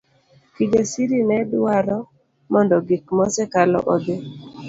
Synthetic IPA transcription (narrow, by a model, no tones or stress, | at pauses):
kid͡ʒesiɾinɛdwaɾɔ | mɔndɔɡik̚mɔsɛkalɔ̰ʔod̪e